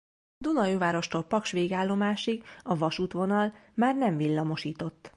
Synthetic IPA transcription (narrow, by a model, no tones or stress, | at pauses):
d̪unɒjuːvaːɾo̞ʃt̪olpɒkʃʋeːɡaːlːo̞maːʃiɡɒvɒʃuːt̪ʋo̞nɒlmaːrnɛɱvilːɒmo̞ʃiːt̪o̞t̪ː